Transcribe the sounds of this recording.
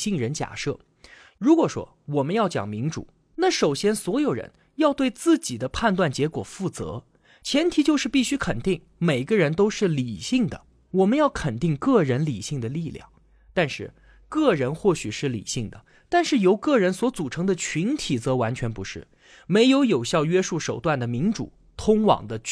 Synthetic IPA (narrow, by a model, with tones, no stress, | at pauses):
ɕi˥˩ŋɻə˧˥nt͡ɕja̰˨˩ʂɤ̰˥˩ | ɻu˧˥kwɔ˨˩ʂwɔ̰˥ | wɔ˨˩mə˦njɑ˥˩ʊt͡ɕjɑ̰˨˩ŋmi˧˥ŋʈ͡ʂṵ˨˩˦ | na˥˩ʂo˨˩ʊɕjɛ˥nswɔ˧˥jo˨˩ʊɻə̰˧˥n | jɑ˥˧ʊt̪we˥˧ɪt͡sɹ̩˥˩t͡ɕi˨˩d̪ə˦pʰa˥˧nt̪̬wa˥˩nt͡ɕjɛ˧˥kwɔ̰˨˩fu˥˩t͡sɤ̰˧˥ | t͡ɕʰjɛ˧˥nt̪ʰi˨˧˥t͡ɕjo˥˧ʊʂɻ̩˥˧pi˥˩ɕy˥kʰə˨˩nt̪i˥˩ŋ | me˨˩ɪ˧ɡə˧ɻə˧˥nt̪o˥ʊʂɻ̩˥˩li˨˩ɕi˥˩ŋd̪ə̰˩ | wɔ˨˩mə˦njɑ˥˩ʊkʰə˨˩nt̪i˥˧ŋkɤ˥˩ɻə˧˥nli˨˩ɕi˥˩ŋd̪ə˩li˥˧ljɑ̰˥˩ŋ | t̪a˥˧nʂɻ̩˥˩ | kɤ˥˩ɻə˧˥nxwɔ˥˩ɕy˨˩ʂɻ̩˥˩lḭ˨˩ɕi˥˩ŋd̪ə̰˩ | t̪a˥˧nʂɻ̩˥˩jo˧˥ʊkɤ˥˩ɻə˧˥nswɔ˧˥t͡su˨˩ʈ͡ʂʰɤ˧˥ŋd̪ə˧t͡ɕʰy˧˥nt̪ʰi˨˩t͡sɤ˧˥wa˧˥nt͡ɕʰɥɛ˧˥npu˧˥ʂɻ̩˥˩ | me˧˥ɪjo˧˥ʊjo˨˩ʊɕjɑ˥˧ʊɥɛ˥ʂu˥˩ʂo˨˩ʊt̪wa˥˩nd̪ə˩mi˧˥ŋʈ͡ʂṵ˨˩ | t̪ʰʊ˥ŋwɑ̰˨˩ŋd̪ə˦